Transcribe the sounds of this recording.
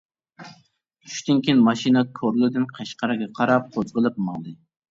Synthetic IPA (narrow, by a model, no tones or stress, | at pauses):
y̥ʃt̪ɪnkʲinmɑʃinɑkʰoɾlˠɨd̪ɨnqʰɑʃqɑɾɨɡʲɛqʰɑɾɑp̚qʰozʁəlˠɨp̚mɑŋd̪ˠɨ